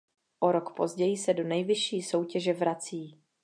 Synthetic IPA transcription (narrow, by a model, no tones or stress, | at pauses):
ʔo̞ɾokpo̞zɟɛjɪsɛdo̞nɛjvɪʃiːso̞wcɛʒɛvɾat͡siː